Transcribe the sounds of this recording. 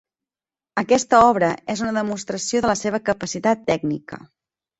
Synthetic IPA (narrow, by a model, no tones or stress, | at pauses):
əkɛst̪əɔβ̞ɾəezunəðəmust̪ɾəsioðələseβ̞əkəpəsit̪at̪ːɛɡnikə̰